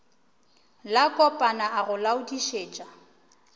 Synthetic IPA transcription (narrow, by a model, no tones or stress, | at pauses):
lakʼɔpʼanaʔaɣʊlaʊdiʃeːt͡ʃʼa